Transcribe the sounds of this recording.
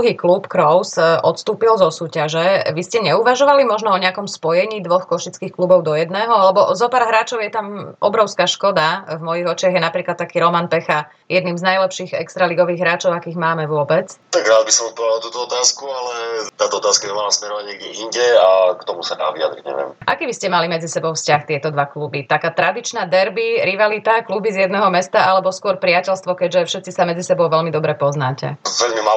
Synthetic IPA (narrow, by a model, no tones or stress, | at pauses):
uɦiːklupkɾɔʊsʔɔt̪st̪uːpilzɔsuːcaʒɛʋiscɛɲɛuʋaʒɔʋalimɔʒnɔɔɲɛakɔmspɔjɛɲiːd̪ʋɔxkɔʃit͡skiːxklubɔʊd̪ɔjɛd̪nɛːɦɔalɛbɔzɔpaːɾɦɾaːt͡ʃɔʊjɛt̪amʔɔbɾɔʊskaʃkɔd̪avmɔjiɣɔt͡ʃɪaɣjɛnapɾiːklat̪takiːɾɔmanpɛxa | jɛd̪niːmznajlɛpʃiːɣɛ̰kst̪ɾaliɡɔʋiːɣɦɾaːt͡ʃɔʊakiːɣmaːmɛʋʊɔbɛt͡st̪aɡɾaːd̪̚bisɔmɔpɔd̪alˠɔt̪uːt̪ɔɔt̪aːskualɛt̪aːt̪ɔɔt̪aːskaɲɛmalasmɛɾɔʋaɲɪɛɡɛʔiɲɟɛakt̪ɔmusad̪a̰ːʋḭa̰d̪ɾiɟɲɛ̰ʋjɛ̰mʔa̰kiːbiscɛmalimɛd͡zisɛbɔʊfscaxt̪ɪɛt̪ɔd̪ʋaklubit̪akaːt̪ɾad̪it͡ʃnad̪ɛɾbiɾiʋalit̪aklubizjɛd̪nɛɦɔmɛst̪aʔalɛbɔskʊɔɾpɾɪacɛlst̪ʋɔkɛɟʒɛfʃɛt̪t͡sisamɛd͡zisɛbɔʊʋɛlmid̪ɔbɾɛpɔznacɛ̰ɛʎmima